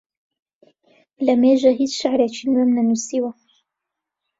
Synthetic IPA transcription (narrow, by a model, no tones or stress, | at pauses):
lɐmeːʒaɦit͡sʃaʕɾet͡ʃʰinwemnɐnusiwɐ